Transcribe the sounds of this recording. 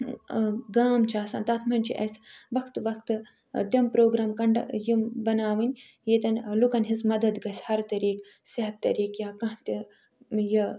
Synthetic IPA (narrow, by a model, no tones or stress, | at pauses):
ɡaːmt͡ʃʰaːsɐ̰ːnt̪ɐːt̪ʰmɐnʲt͡ʃʰḭʔɐ̰sʋɐkʰt̪ʋɐkʰt̪ɨ | t̪ʲɐmpɾoːɡɾaːmkɐɳɖjimbɐnaːʋɨnʲ | jet̪ɐnʲlukɐnɦizmɐd̪ɐd̪ɡɐsʲhɐɾt̪ɐɾiːk | siɦɐt̪ːɐ̰ɾiːkjaːkɐ̃ɦt̪i | ji